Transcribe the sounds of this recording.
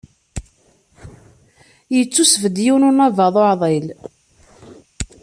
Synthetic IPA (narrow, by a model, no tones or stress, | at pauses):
jət͡sːusvəd̪junʊnɑvəðˤoʕðˤel